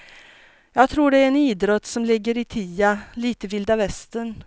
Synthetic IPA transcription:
jɑːɡ̚t̪ʰɾuːɖɛæɾɛniːd̪ɾɔt̪ːsɔmlɪɡːəɾɪt̪ʰiːaliːt̪əvɪld̪avɛst̪ən

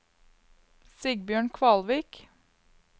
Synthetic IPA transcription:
siːɡ̚bjøːɳkʰʋɑːlʋiːk

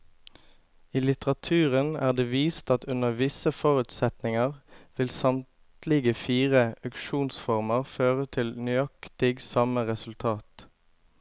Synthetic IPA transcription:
iːlɪt̪əʁɑt̪ʰʉːʁənæ̰ːʁd̪eːʋiːst̪ɑt̪ʉnəʁʋɪsəfɔʁʉt̪sɛt̪nɪŋəʁʋɪlsɑmtt̪lɪɡəfiːʁəœkʃuːnsfɔʁməʁføːʁət̪ʰɪlnʏɑkt̪ɪɡsɑməʁɛsʉlt̪ʰɑːt̪

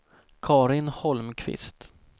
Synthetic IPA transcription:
kʰɑːɾɪnhɔlmkʰvɪ̰st̪

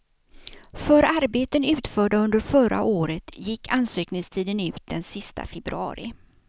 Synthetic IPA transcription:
fœɾaɾbeːt̪ənʉ̟ːt̪fœːɖaɵnd̪əɾfœɾa̰ʔoːɾət̪jɪkːansøːknɪŋst̪ʰiːd̪ənʉ̟ːt̪̚d̪ɛnsɪst̪a̰fɛbɾɵ̰ɑ̰ːɾɪ̰

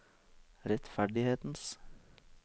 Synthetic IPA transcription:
ɾɛt̪fæɖɪheːt̪n̩s

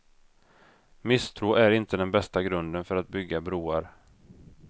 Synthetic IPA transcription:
mɪst̪ʰɾuːʔæɾɪnt̪əd̪ɛnbɛst̪aɡɾɵnd̪ənfœɾat̪̚bʏɡːabɾuːaɾ

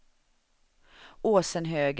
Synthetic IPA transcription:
oːsənɦøːɡ

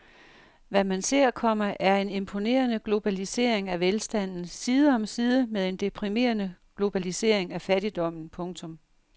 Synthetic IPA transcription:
ʋæmænse̝ɐ̰kʰɒ̽m̰ɐʔæɐe̝ne̝mpʰo̝ne̝̰ːɐnəɡ̥lo̝b̥ælise̝̰ːɐ̰eŋæʋelsd̥æn̰n̩siːðˠəɒ̽msiːð̞ˠəmeðˠe̝nd̥e̝pʰʁime̝̰ːɐnəɡ̥lo̝b̥ælise̝̰ɐ̰eŋæfæɾ̥id̥ɒ̽m̰n̩pʰɔ̽ŋt͡sʰɔ̽m

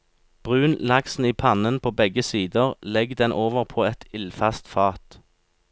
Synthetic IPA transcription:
b̥ʁʉːnlɑksn̩iːpʰɑnənpʰoːbɛɡəsiːd̪əʁlɛɡd̪ɛnʔoːʋəʁpʰoːɛt̪ɪlfɑst̪fɑːt̪

